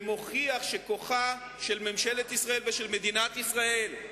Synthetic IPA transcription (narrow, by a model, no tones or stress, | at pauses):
mo̞χiaχʃeko̞χa | ʃe̞lmemʃelet̪isʁaelveʃelme̞d̪inat̪isʁael